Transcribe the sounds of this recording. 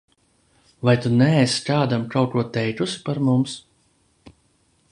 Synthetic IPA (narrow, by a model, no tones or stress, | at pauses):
vajt̪unɛɛskaːd̪amkʰawkuɔt̪ɛjt̪usi̥paɾmums